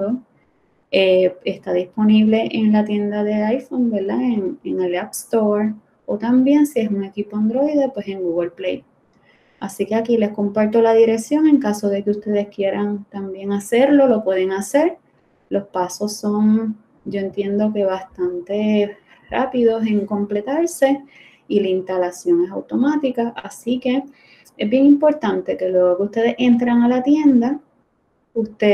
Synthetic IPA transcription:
o | ee̞st̪aðispo̞niβ̞le̞ʔeŋlat̪je̞nd̪aðe̞ajfonbe̞ɾd̪aeŋeŋelapst̪o̞ɾ | o̞t̪ambje̞nsie̞suŋe̞kipoand̪ɾo̞jðepwe̞se̞ŋɡuɣelplḛj | asike̞akile̞hko̞mpaɾt̪o̞laðiɾe̞ksjo̞ŋe̞ŋkaso̞ðe̞keust̪e̞ðe̞skje̞ɾaŋt̪ambje̞ŋase̞ɾlo̞lo̞pwe̞ðe̞ŋase̞ɾ | lo̞spaso̞so̞ŋ | d͡ʒo̞e̞nt̪je̞nd̪o̞ke̞βast̪ant̪e̞ | ra̰piðo̞se̞ŋko̞mple̞t̪aɾse̞ | ilainst̪alasjo̞ŋe̞sawt̪o̞mat̪ikaʔasike̞ | ezbje̞ŋimpo̞ɾt̪ant̪e̞ke̞lwe̞ɣokeust̪e̞ðe̞he̞nt̪ɾaŋalat̪je̞nd̪a | ust̪e

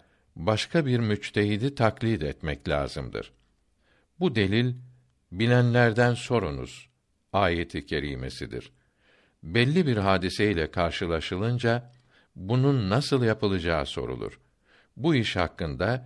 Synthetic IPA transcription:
baʃkʰabiɾmyt͡ʃt̪ʰeɦid̪it̪ʰaklʲid̪ɛt̪mɛclʲa̰ːzɯmd̪ɯ̰ɾ̥ | bud̪e̞lʲilʲ | bilʲænlʲæɾd̪ænso̞ɾunṵz̥ | aːjet̪ʰicʰe̞ɾḭːme̞̰sḭd̪ḭɾ̥ | bɛlʲːibiɾɦaːd̪iseilʲɛkʰaɾʃɯlˠaʃɯlˠɯnd͡ʒa | bununːasɯlˠjapʰɯlˠɯd͡ʒaːso̞̰ɾṵlˠṵɾ̥ | buiʃhakːɯnd̪a

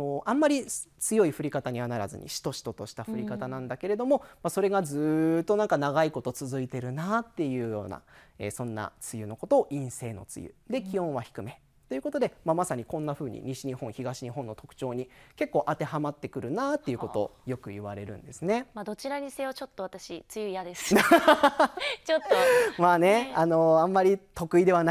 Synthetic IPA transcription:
oʔãmːaɾʲi | t͡sɨjo̞iɸɯ̟ɾʲikat̪aɲ̟iβanaɾazɨ̰ɲ̟ʔḭɕi̥t̪o̞ɕi̥t̪o̞t̪o̞ɕi̥t̪aɸɯ̟ɾʲikat̪anãnd̪ake̞ɾe̞d̪o̞mo̞maso̞ɾe̞ɡazɨːt̪ːo̞nãŋkanaɡaiko̞t̪o̞t͡sɨzɨit̪e̞ɾɯ̟nat̪ːe̞jɯ̟ːjo̞̰ːna̰ | eːsõ̞nːa̰t͡sɨjɯ̟no̞ko̞t̪o̞ːʔĩɰ̃se̞ːno̞̰t͡sɨ̰jɯ̰d̪e̞kʲiõ̞ɰ̃βaçi̥kɯ̟me̞ | t̪oiɯ̟ko̞t̪o̞d̪e̞mamasaɲ̟ikõ̞nːaɸɯ̟ːɲ̟ḭɲiɕiɲ̟ihõ̞çiɡaɕiɲ̟iɦõ̞nːo̞t̪o̞̥kɯ̟̥t͡ɕo̞ːɲ̟ike̞kːo̞ːʔat̪e̞hamat̪ːe̞kɯ̟ɾɯ̟naːt̪ːe̞jɯ̟ko̞t̪o̞̰jo̞kɯ̟iβaɾe̞ɾɯ̟̰̃nd̪e̞sɨne̞mad̪o̞t͡ɕiɾaɲʲise̞ːβat͡ɕo̞t̪ːoat̪aɕit͡sɨjɯjad̪es | t͡ɕot̪ːomaːne̞ano̞ãmːaɾʲit̪o̞kɯ̟id̪e̞βana

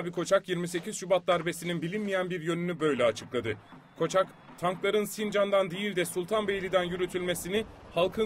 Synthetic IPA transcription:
bikʰo̞t͡ʃʰakjiɾmise̞cʰiz̥ʃybat̪̚d̪aɾbe̞sininbilʲinmijænbiɾjø̞nynybø̞jlʲɛat͡ʃʰɯklˠad̪ɯ | kʰo̞t͡ʃʰak | t̪ʰaŋklˠaɾɯnsind͡ʒand̪and̪ejilʲd̪ɛsulˠt̪ʰanbe̞jlʲid̪ænjyɾyt̪ʰylʲme̞sinɪ | halˠkʰɯ

